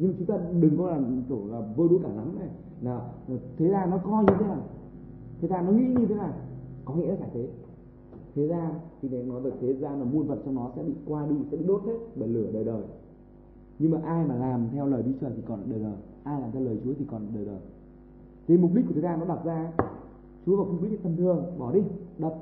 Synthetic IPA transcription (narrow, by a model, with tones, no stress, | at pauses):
ɲɨ˧ŋmaː˨t͡ɕʊ˨˦ŋ͡mt̪aː˧ɗɨ˨˩ŋkɔ˨˦laː˨˩t̪o˧˩laː˨˩və˧ɗu˨˧˦kaː˧˩la˨˦mna˨˩j | laː˨˩˨t̪ʰe˨˦zaː˧nɔ˨˦kɔ˧ɲɨ˧t̪ʰe˨˦naː˨˩j | t̪ʰe˨˦zaː˧nɔ˨˦ŋḭ˧˥ɲɨ˧t̪ʰe˨˦naː˨˩jkɔ˨˦ŋḭ˧˥la˨kaː˧˩t̪ʰe˨˦ | t̪ʰe˨˦zaː˧t̪ʰi˨˩na˨˩nɔ˨˦zə˨˩t̪ʰe˨˦zaː˧naː˨˩mu˧ənvə̰˧˨nt͡ɕɔ˧wŋ͡mnɔ˨˦sɛ̰˧˥ɓḭ˧˨kwaː˧ɗi˧sɛ̰˧˥ɓḭ˧˨ɗo˦˥t̚t̪ʰe˦˥t̚ɓə˧˩jlɨ˧˩əɗəː˨˩jɗəː˨˩j | ɲɨ˧ŋmaː˨˩ʔaː˧jmaː˨˩laː˨˩mt̪ʰɛ˧wləː˨˩jɗi˧t͡ɕəː˨˩t̪i˨˩kɔ˨˩n˨˩ɗəː˨˩ɗəː˨˩j | ʔaː˧jlaː˨˩mt̪ʰɛ˧wləː˨˩jt͡ɕu˨˦əi˨˩kɔ˨˩n˨˩ɗəː˨˩ɗəː˨˩j | t̪ʰe˨˦mʊ˨˩k͡p̚ɗ̚kːt̪ʰe˨˦zaː˧nɔ˨˦ɗa˨˩wk͡p̚zaː˧˦ | t͡ɕu˨˦əkɔː˨˧˩kɓi˦˥k̪̚t̪ʰə˧˨mt̪ʰɨ˨˩əŋɓɔ˧˩ɗi˧ɗə˨˩p̚